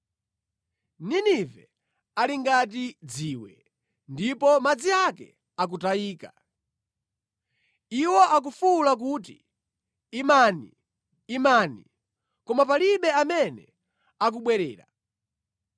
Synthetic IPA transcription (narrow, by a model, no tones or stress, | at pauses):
ninivɛ | aliŋɡat̬id͡ziwɛ̰ | ndipɔmad͡ziakɛ̰ | ak̬utaiːka | iwɔʔak̬ufulak̬uːt̬ḭː | maniː | manḭ | kɔmapaliɓɛamɛnɛ | ak̬uɓwɛɾɛ̰ːɾa̰